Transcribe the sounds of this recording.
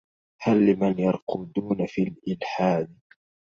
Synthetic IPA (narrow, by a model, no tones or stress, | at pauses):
halːɪmanjɑɾˤqud̪uːnafilʔɪlħaːd̪